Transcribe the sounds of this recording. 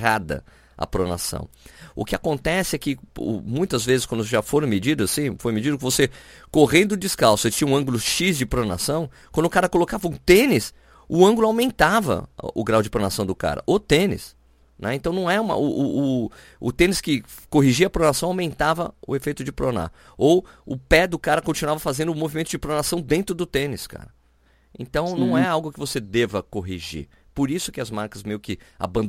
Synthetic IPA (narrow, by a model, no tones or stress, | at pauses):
ad̪ɐ̰ | ɐ̰pɾona̰sɐ̰̃w̃ʊ̰kɪakõnt̪ɛsɪɛkɪʊ̰mũj̃t̪ɐzvezɪskwɐ̃nd̪ʊsʒafoɾ̃med͡ʒid̪ʊasĩfojmed͡ʒid̪ʊkɪvosekoɦẽnd̪ʊʊd͡ʒɪskawsʊet͡ʃĩɲɐũɐ̃ŋɡʊlʊʃizd͡ʒɪpɾona̰sɐ̃w̃kwɐ̃nd̪ʊkaɾɐkolokavɐũt̪ẽnɪs | ʊɐ̃ŋɡʊlʊawmẽnt̪avɐ̰ʊɡɾawd͡ʒɪpɾonasɐ̃w̃d̪ʊka̰ɾɐ̰ʔot̪ẽnɪ̰s | nʔɛ̰ẽt̪ɐ̃w̃nɐ̃w̃ɛũmɐ̰ʊʊː | ʊ̰t̪ẽnɪskɪ | koɦiʒiɐpɾonasɐ̃w̃awmẽnt̪avɐʊ̰efejt̪ʊd͡ʒɪpɾona̰ | owʊpɛd̪ʊkaɾɐkõt͡ʃinwavɐfazẽnd̪ʊmovimẽnt̪ʊd͡ʒɪpɾonasɐ̃w̃d̪ẽnt̪ɾʊd̪ʊt̪ẽnɪska̰ɾɐ | ẽnt̪ɐ̃w̃nɐ̃w̃ɛawɡʊkɪvosed̪evɐkoɦiʒḭɾ | poɾisʊ̥kɪɐzmaɾkɐzmejʊkɪa̰bɐ̃nd̪